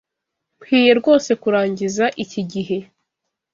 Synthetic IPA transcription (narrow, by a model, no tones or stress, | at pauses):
bhiːje̞ɾɡo̞ːse̞kuɾaːɲɟizaʔiciɟiɦe̞